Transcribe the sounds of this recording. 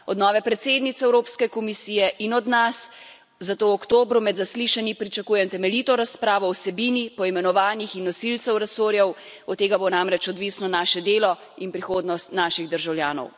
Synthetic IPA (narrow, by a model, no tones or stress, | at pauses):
ɔd̪nɔːʋɛpɾɛt̪seːd̪nit̪sɛwɾoːpskɛkɔmisiːjɛʔinɔd̪nas | zat̪oːwɔkt̪oːbɾumɛd̪zasliʃanipɾit͡ʃakuːjɛmt̪ɛmɛliːt̪ɔɾaspɾaːʋɔːwsɛbiːnipɔimɛnɔʋaːnixinːɔsilt̪sɛwɾɛsoːɾjɛw | ɔt̪ːeːɡabonamɾɛt͡ʃɔd̪ʋisnɔnaʃɛd̪eːlɔ | inpɾixoːd̪nɔst̪naːʃiɣd̪əɾʒawlʲjaːnɔ̰w